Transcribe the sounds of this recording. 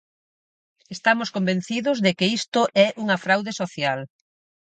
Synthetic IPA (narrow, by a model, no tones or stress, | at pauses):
est̪amʊskombẽnθiðʊzðekɪist̪ʊʔɛʔuŋɐfɾawðesoθjal